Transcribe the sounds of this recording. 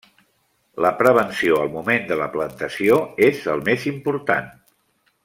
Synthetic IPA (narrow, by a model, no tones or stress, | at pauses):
ləpɾəβ̞ənsioəlˠmumend̪ələplənt̪əsioezəlˠmezimpuɾt̪a̰n